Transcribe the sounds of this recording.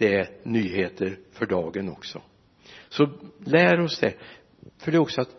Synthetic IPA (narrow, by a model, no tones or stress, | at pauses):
d̪̥ɛænyːheːt̪əɾfœɖɑːɡənɔksɔ̰ | sɔlæːɾɔsd̪ɛ | fœɖɛɔksɔat̪